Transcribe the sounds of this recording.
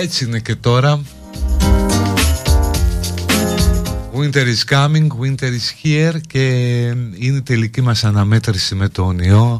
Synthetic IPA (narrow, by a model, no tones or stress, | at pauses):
et͡sineket̪oɾɐ | wint̪eɾiskamiŋɡwint̪eɾisçieɾke | init̪elikimasanamet̪ɾisimet̪onio